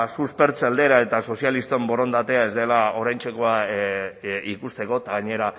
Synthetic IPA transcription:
suspe̞ɾt͡sald̪e̞ɾae̞t̪aso̞sialist̪ombo̞ɾo̞nd̪at̪e̞ae̞zd̪e̞lao̞ɾajnt͡ʃe̞ko̞a | ikust̪e̞ko̞t̪aɣaɲe̞ɾa

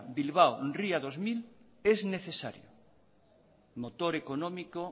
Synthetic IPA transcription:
bilβ̞awnriaðozmil | ezneθesaɾjo̰ | mot̪oɾekonomiko

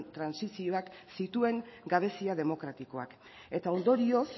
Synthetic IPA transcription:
nt̪ɾansisio̞aksit̪ue̞ŋɡaβ̞e̞siaðe̞mo̞kɾat̪iko̞a̰k | e̞t̪ao̞nd̪o̞ɾio̞s

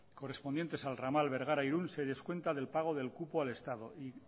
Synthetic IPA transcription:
ko̞re̞spone̞nt̪e̞salramalβe̞ɾɣ̞aɾajɾunse̞ðeskwe̞nt̪aðelpaɣ̞o̞ð̞e̞lkupoale̞st̪að̞o̞ʔi

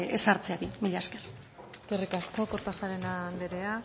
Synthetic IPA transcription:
esaɾt͡seaɾimiʎasker | t̪erikasko̞koɾt̪aʝaɾenand̪eɾe̞a

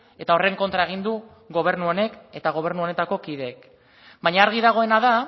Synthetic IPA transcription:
e̞t̪ao̞re̞ŋko̞nt̪ɾae̞ɣ̞ind̪u | ɣo̞β̞e̞ɾnuo̞ne̞ke̞t̪aɣ̞o̞β̞e̞ɾnuo̞ne̞t̪ako̞kiðe̞ːk | bajɲaːɾɣ̞iðaɣ̞o̞e̞naða

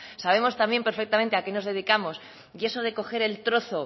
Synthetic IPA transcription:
saβ̞e̞mo̞st̪ambje̞mpeɾfe̞k̚t̪amẽ̞nt̪eake̞no̞zðe̞ð̞ikamo̞s | ie̞soð̞e̞ko̞xe̞ɾe̞lt̪ɾo̞θo̞

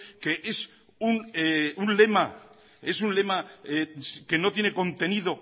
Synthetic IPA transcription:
keʔes | uneunle̞ma | e̞sunle̞maeske̞no̞t̪je̞ne̞kõ̞nt̪enið̞o̞

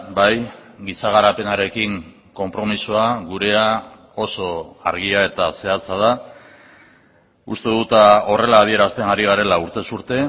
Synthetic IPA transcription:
bajɡisaɣ̞aɾape̞naɾe̞kiŋ | ko̞mpɾo̞misoaɣuɾe̞a | o̞so̞a̰ɾɣ̞iae̞t̪ase̞at͡sað̞a | ṵst̪e̞ðut̪ao̞re̞laːð̞ie̞ɾast̪e̞ŋɡaɾiɣaɾe̞lauɾt̪e̞suɾt̪e̞

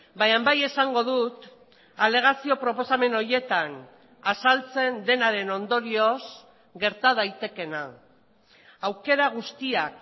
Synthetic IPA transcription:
bajambaje̞saŋɡo̞ðut̪ | ale̞ɣ̞asio̞pɾo̞po̞same̞no̞ɾje̞t̪an | asalt͡se̞nd̪e̞naɾe̞no̞nd̪o̞ɾio̞s | ɡe̞ɾt̪að̞ajt̪e̞ke̞na | awke̞ɾaɣust̪iak

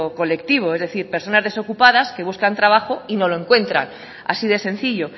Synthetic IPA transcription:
oko̞le̞kt̪iβ̞o̞e̞zðe̞θiɾpe̞ɾso̞nazðe̞so̞kupað̞aske̞βuskant̪ɾaβ̞axo̞ino̞loe̞ŋkwe̞nt̪ɾa̰n | a̰siðe̞sẽ̞n̟θiʎo̞

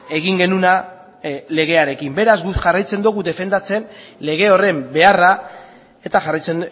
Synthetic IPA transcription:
e̞ɣiŋɡe̞nuna | le̞ɣ̞e̞aɾe̞kimbe̞ɾazɡuʝarajt͡se̞nd̪uɣuðe̞fe̞nd̪at͡se̞nle̞ɣ̞e̞o̞re̞mbe̞ara | e̞t̪aʝarajt͡sen

